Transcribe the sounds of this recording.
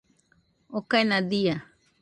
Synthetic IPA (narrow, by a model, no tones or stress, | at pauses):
okaenãd̪ia